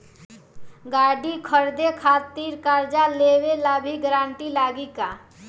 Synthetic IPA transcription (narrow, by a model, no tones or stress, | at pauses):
ɡaːɖikʰəɾd̪ekʰaːt̪iːɾkaːɾd͡ʒaleːwelaːbʱiɡəɾaːɳʈilaːɡika